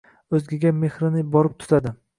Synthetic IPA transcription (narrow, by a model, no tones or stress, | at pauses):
ɵzɡʲɪɡʲame̞hɾɪnɪbɒɾɪp̚t̪ʰʊ̥t̪ʰad̪ɪ